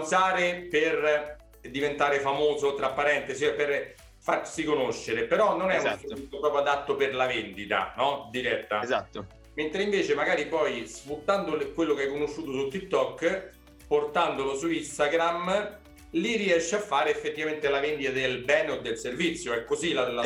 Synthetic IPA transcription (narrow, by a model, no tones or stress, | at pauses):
saːɾeper | d̪ivent̪aːɾefamoːzot̪ːɾapːaɾɛnt̪esiɛper | farsikonoʃːeɾepeɾɔnːonɛusevit̪sjopɾɔːpɾjoad̪at̪ːoperlavend̪it̪a̰nɔd̪iɾɛt̪ːazat̪ːo | ment̪ɾeiɱveːt͡ʃemaɡaːɾipɔjsfut̪ːand̪okwelːokeajkonoʃːuːt̪osut̪ːit̚t̪ːɔkː | port̪and̪olosuist̪aɡɾam | liriɛʃːeafːaːɾeefːet̪ːivament̪elavend̪it̪ad̪elbɛːneod̪ːelservit̪sːjoɛkːozilal